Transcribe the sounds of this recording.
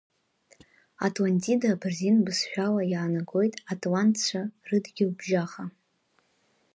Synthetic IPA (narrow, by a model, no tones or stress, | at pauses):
atʰʼlantʰʼidabrzinbɨsʃʷᶣalajaːnaɡo̞jtʼatʰʼlantʰt͡ɕʷʰarɨdɡʲɪlbʒaχa